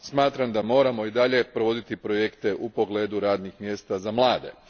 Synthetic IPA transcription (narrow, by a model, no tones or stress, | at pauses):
smaːt̪ɾamd̪amo̞ːɾamo̞id̪aʎe̞pɾo̞ʋo̞d̪it̪ipɾo̞jekt̪e̞ʔupo̞ɡle̞d̪uɾaːd̪nixmje̞st̪azamlˠaːd̪e̞̰